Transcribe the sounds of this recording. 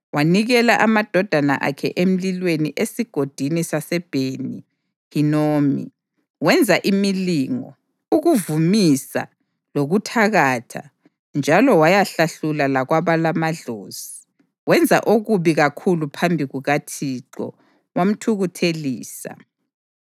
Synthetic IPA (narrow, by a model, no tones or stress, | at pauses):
waniɣɛlaʔamad̥ʱɔd̥ʱana̰ʔa̰kʰɛ̰ʔem̩lilweniʔesiɡ̥ʱod̥ʱinisasɛb̥ʱeni | hinoːmḭ | wɛnd͡zʱaʔimiliŋɔ̰ | uɣuvumisa̰ | loɣutʰaɣatʰa̰ | nd͡ʒʱalɔwajaɬaɬulalaɣwaβalamaɮoːz̥i | wɛnd͡zʱa̰ʔoɣuβiɣakʰulupʰambʱiɣuɣatʰiǁɔ̰ | wam̩tʰuɣutʰeliːsa̰